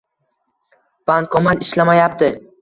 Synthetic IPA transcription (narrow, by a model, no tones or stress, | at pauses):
b̥aŋkʰɒmanɪʃlamajap̚t̪ɪ